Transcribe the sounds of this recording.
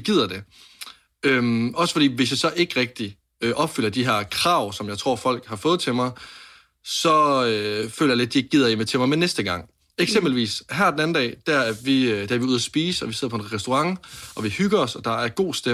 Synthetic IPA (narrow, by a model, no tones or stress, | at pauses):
ɡ̥ið̰ˠɐd̥e̝ | ømɒ̽səfɒ̽ɾ̥ḭːʋe̝sjɑ̈ɪsɒ̽ʔe̝ɡ̥ʁɛɡ̥̚d̥i | ʔɒ̽b̥fyl̰ɐd̥iɦeɐ̰kʰʁɑ̈ːʊ̰sɒ̽mjɑ̈ɪt͡sʰʁo̝ɐ̰fɒ̽l̰ɡ̥hɑ̈fɔ̽ːð̞̩ˠt͡sʰe̝mɑ̈ɪ | sɒ̽øfø̰lɐjaled̥̚dieɡ̥ið̞̰ˠɐjimet͡sʰe̝mɑ̈ɪmenːesd̥əɡ̥ɑ̈ŋ̰ | eɡ̥semb̥l̩ʋḭːsɦæɐ̰denæn̩dɛ̰ːd̥æɐæʋid̥eɐʋiuð̞ˠɐsb̥iːsəɒʋise̝ð̰ˠɐpʰɒ̽enʁɛsd̥oʁɑ̈ŋʔɒ̽ʋihyɡ̥ɐɒsɒ̽d̥ɑ̈æɐɡ̥o̝̰ːsd̥e